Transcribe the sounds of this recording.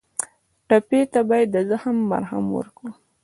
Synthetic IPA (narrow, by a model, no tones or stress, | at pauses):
ʈapet̪abɑjad̪ːəzəhamːa̰ɾɦa̰mwə̰ɾkɽu